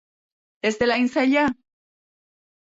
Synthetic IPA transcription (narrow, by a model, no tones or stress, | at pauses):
esd̪elainseʎa